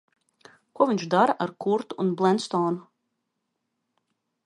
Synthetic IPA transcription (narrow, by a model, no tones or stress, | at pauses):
kuɔviɲʲt͡ʃd̪aɾaʔaɾkuɾt̪uːnblˠɛnst̪ɔːnu